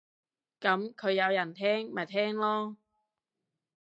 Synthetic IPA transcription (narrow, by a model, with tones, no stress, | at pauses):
kɐ˨˥mkʰɵ˨˧ɥjɐ˨˧wjɐ˨˩nt̪ʰɛː˥ŋmɐ˨˩jt̪ʰɛː˥ŋlɔː˥